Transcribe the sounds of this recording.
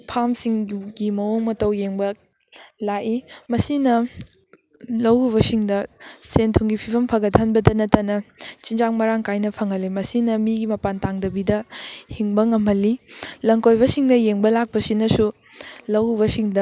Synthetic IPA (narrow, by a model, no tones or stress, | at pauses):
pʰamsiŋɡimɐwoŋmɐtɐwjeŋbɐ | laʔimɐsinɐ | lɐwuβɐsiŋdɐsentʰuŋɡipʰibʰɐmpʰɐɡɐtʰɐnbɐdɐnɐtɐnɐt͡ʃind͡ʒaŋmɐɾaŋkajnɐpʰɐŋɐlemɐsinɐmiɡimɐpantaŋdɐbidɐhiŋbɐŋɐmɐlilɐŋkojbɐsiŋdɐjeŋbɐlak̚pɐsinɐsu | lɐwuβɐsiŋdɐ